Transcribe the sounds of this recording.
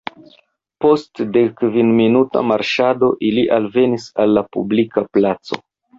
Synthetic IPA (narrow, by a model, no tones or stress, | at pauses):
po̞stdekvinminuta̰maɾʃado̞ʔiliʔalve̞nisalːapṵblikaplat͡so̞̰